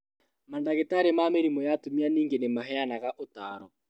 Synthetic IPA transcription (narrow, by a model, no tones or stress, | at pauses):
mandaɣetaɾemaːmeɾimojatomianiːŋɡenemaɦɛanaɣaʔotaːɾɔ